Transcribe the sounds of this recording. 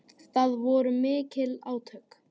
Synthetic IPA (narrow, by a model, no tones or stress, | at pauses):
θaðvɔɾʏmɪːcɪlaːwt̪ʰœk